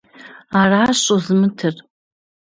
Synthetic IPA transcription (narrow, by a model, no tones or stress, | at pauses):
araɕʷʼozmɨtʰɨr